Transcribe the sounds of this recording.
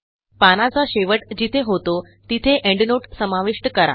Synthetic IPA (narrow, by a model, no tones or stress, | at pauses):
panat͡saɕeʋəʈd͡ʑit̪ʰeɦot̪o | t̪it̪ʰeʔeɳɖnoʈsəmaʋiʂʈəkəɾa̰